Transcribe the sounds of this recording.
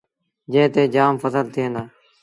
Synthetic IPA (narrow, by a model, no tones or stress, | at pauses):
d͡ʒẽːt̪eːd͡ʒaːmfəsəlt̪ʰɪənaː